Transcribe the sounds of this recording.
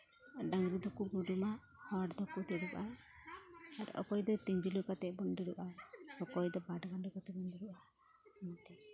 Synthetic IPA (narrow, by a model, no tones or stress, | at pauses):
ɖaŋɡɾid̪ɔkuɡuɖuma | hɔɽd̪ɔkut̪iɽuʔaː | ɾɔ̰kɔjd̪ɔt̪iɲd͡ʒilukat̪ɛbɔnd̪iɽuʔaɔkɔjd̪ɔbaɖɡanukat̪ɛbɔnd̪ɔɾuʔa | amat̪ɛ